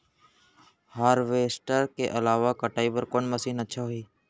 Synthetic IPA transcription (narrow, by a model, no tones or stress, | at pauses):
haːɾʋeːsʈəɾkeʔɐlaːʋakaʈaːibəɾkoːnməsiːnətːʃʰaɦoiː